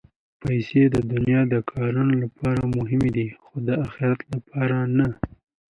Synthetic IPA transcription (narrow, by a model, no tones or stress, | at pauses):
pajsed̪əd̪ʊnjɑd̪əkʰɑɾunolapɑɾamʊɦɪmed̪ixod̪əaxɪɾat̪lapʰɑɾana